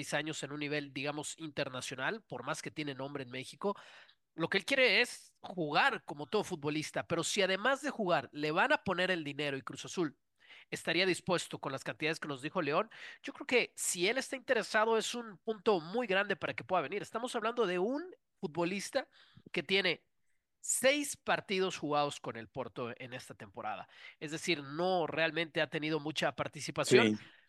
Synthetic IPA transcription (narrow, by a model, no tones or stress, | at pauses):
jsaɲo̞se̞nũnːiβ̞e̞ld̪iɣamo̞sint̪eɾnasjo̞nalpo̞ɾmaske̞t̪je̞nenõ̞mbɾe̞ːnme̞xiko̞ | lo̞ke̞elkje̞ɾe̞es | xuɣaɾko̞mo̞t̪o̞ðofut̪̚βo̞list̪ape̞ɾo̞siað̞e̞mazðe̞xuɣaɾle̞βanapo̞ne̞ɾe̞ld̪ine̞ɾo̞ikɾusasul | est̪aɾiaðispwe̞st̪o̞ko̞nlaskant̪iðaðeske̞no̞zðixo̞le̞o̞nɟ͡ʝo̞kɾeoke̞sie̞le̞st̪aint̪e̞ɾe̞saðo̞e̞sunpunt̪o̞mujɣɾand̪e̞paɾake̞pwe̞ðaβe̞niɾe̞st̪amo̞saβland̪o̞ð̞e̞un | fut̪̚βo̞list̪a | ke̞t̪je̞ne̞ | se̞jspaɾt̪ið̞o̞sxuɣaðo̞sko̞ne̞lpo̞ɾt̪o̞ʔe̞ne̞st̪at̪e̞mpo̞ɾa̰ð̞a̰e̞zðesiɾno̞re̞almẽnt̪e̞at̪e̞niðo̞mut͡ʃapaɾt̪isipasjon